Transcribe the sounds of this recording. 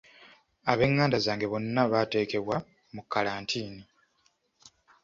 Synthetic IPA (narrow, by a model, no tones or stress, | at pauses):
aβe̞ŋːaːndazaːŋɡe̞βo̞nːaβaːte̞ːke̞βwa | mukːalaːntʰiːni